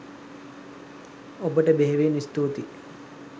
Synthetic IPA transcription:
obəʈəbeɦeʋeːnist̪uːt̪i

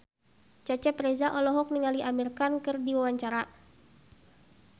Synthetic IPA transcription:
t͡ʃat͡ʃɛpɾɛzaʔɔlɔɦɔk̚niŋaliʔamirkankɨrdiwawaɲt͡ʃaɾa

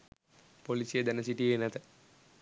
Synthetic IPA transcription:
polisijed̪ɛnəsiʈijenat̪ə

